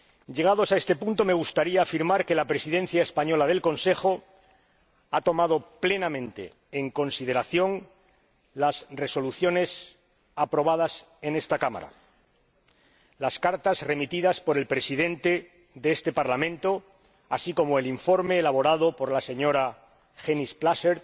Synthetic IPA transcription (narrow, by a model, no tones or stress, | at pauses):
ʝe̞ɣ̞aðo̞sae̞st̪e̞punt̪o̞me̞ɣ̞ust̪aɾiaːfiɾmaɾke̞lapɾe̞siðe̞n̟θjaespaɲo̞lað̞e̞lko̞nse̞xo̞ | at̪o̞mað̞o̞ple̞namẽ̞nt̪e̞̰ː | ŋko̞nsið̞e̞ɾaθjo̞ŋ | lasre̞so̞luθjo̞ne̞s | apɾo̞β̞að̞as | e̞ne̞st̪akama̰ɾa̰ | laskaɾt̪azre̞mit̪iðaspo̞ɾe̞lpɾe̞siðe̞nt̪e̞ | ðeest̪e̞paɾlamẽ̞nt̪o | asiko̞moeliɱfo̞ɾme̞ːlaβ̞o̞ɾað̞o̞po̞ɾlase̞ɲo̞ɾa | xenisplaseɾ